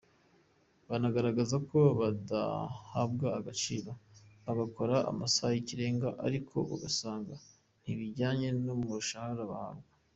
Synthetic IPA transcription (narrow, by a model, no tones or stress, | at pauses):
βanaɡaɾaɡazako̞βada̰habɡaːɡat͡ʃiːɾoβaɡako̞ɾaa̰masajiciɾe̞ːŋɡaʔaɾikʰo̞̰βa̰ɡasaːŋɡa | n̥iβiɟaːɲe̞nomuʃahaɾaβa̰ha̰b̚ɡa